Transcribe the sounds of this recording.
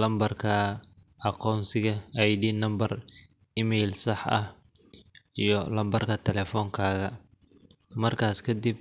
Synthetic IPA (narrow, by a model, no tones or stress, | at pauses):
lɐmbɐrkʰɐɑqɔːnsɪɣɐɐjdiːnɐmbɐrɪmɛjlsɐħɐ̰h | ijɞlɐmbɐrkʰɐt̪ʰɛlɛːfɔːŋkʰaːɣɐ | mɐrkʰaːskʰɐd̪ib̚